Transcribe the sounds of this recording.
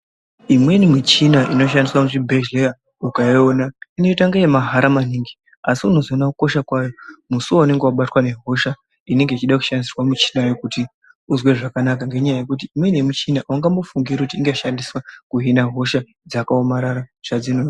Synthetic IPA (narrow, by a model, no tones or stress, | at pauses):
imwe̞nimit͡ʃinaʔino̞ʃ̬andiswamuʐibʱeʒleja | ukaionaineitaŋɡajemaɦaɾamaniŋɡi | asiuno̞zonakuko̞ʃakwajo̞musuwone̞ŋɡewaɓatwane̞ɦo̞ʃa | ine̞ŋɡeit͡ʃiɗaku̥ʃandisirwamit͡ʃi̥najo̞kuti | uzwe̞ʐakanakaŋɡe̞ɲajaje̞kut̬iimwe̞nemit͡ʃinawaŋɡamofuŋɡirekutiːŋɡeʃandiswakuɦinaɦo̞ʃa | d͡zakaomaɾaɾaʐ̥ad͡zino